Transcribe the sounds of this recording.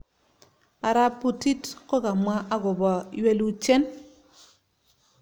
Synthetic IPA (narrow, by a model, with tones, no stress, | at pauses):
a˨ɾa˦pu˨ti˦tko˦ɡa˨mwa˦ʔa˦ɡʊ˨bɔ˨jwe˦lu˦t͡ʃe˦n